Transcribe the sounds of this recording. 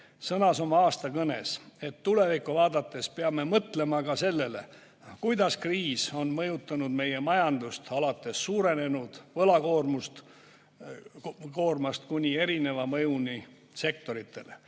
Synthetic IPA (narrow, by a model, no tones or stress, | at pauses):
sɤnɑso̞mɑɑːst̪ɑkɤne̞̰se̞t̪ːule̞vikuvɑːd̪ɑt̪ːˑe̞speɑme̞mɤt̪le̞mɑkɑse̞lːe̞le̞̰ | kujd̪̥ɑskriːso̞nmɤjut̪ːˑɑnud̪̥me̞je̞mɑjɑnd̪ust̪ɑlɑt̪ˑːe̞sːuːɾe̞ne̞nud̪̥vɤlɑkoːrmust̪ | koːrmɑst̪kunʲie̞ɾine̞vɑmɤjuni | se̞k̚t̪o̞ɾit̪ʰːˑe̞le